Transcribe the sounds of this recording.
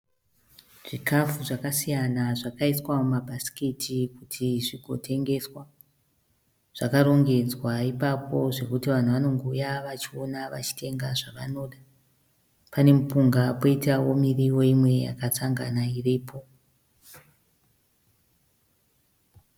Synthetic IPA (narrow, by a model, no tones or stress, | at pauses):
ʐ̥ikʰafuʐakasijanaʐakaiswamumabʱasi̥kitʰikutʰiʐiɡʱo̞̰tʰe̞ŋɡe̞swa | ʐ̥akaɾo̞ŋɡe̞d͡zwaipapo̞ʐe̞kutiʋan̤uʋano̞ŋɡoujaʋat͡ʃio̞naʋa̰t͡ʃi̥te̞ŋɡaʐaʋano̞ːɗa | pane̞mupuŋɡapo̞itawo̞miriwo̞imwe̞ja̰kat͡saŋɡanairiːpʰo̞